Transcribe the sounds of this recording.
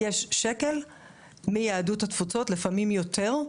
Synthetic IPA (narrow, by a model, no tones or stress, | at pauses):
jeʃːeke̞l | mejaaduthatfut͡so̞tlefamimjotʰe̞ʁ